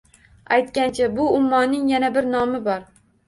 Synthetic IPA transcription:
ajt̪kʲant͡ʃʰabʊʊmːɒnːɪŋjanabɪɾnɒmɪbɒɾ

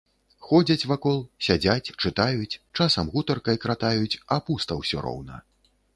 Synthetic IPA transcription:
xɔd͡zʲɐt͡sʲvakɔlˠsʲad͡zʲat͡sʲt͡ʂɨt̪ajut͡sʲt͡ʂasɐmɣut̪ɐrkɐjkɾat̪ajut͡sʲapust̪ɐwsʲɔ̰ɾɔ̰wnɐ̰

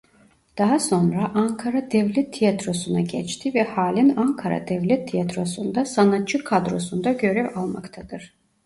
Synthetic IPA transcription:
d̪̥aɦaso̞nɾaʔaŋkʰaɾad̪ɛvlʲɛt̪ʰːijat̪ɾo̞sunaɟɛt͡ʃt̪ʰivɛhaːlʲinaŋkʰaɾa̰d̪ɛvlʲɛt̪ʰːijat̪ɾo̞sund̪asanat̪̚t͡ʃʰːɯkʰad̪ɾo̞sund̪aɟø̞ɾɛvalˠma̰kt̪ʰad̪ɯɾ̥

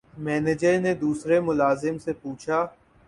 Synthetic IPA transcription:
mɛːned͡ʒəɾned̪uːsɾemʊlaːzɪmsepuːt͡ʃʰaː

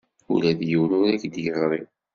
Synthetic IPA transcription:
ṵlæðjəwnʊɾækd̪jəzɾˤi

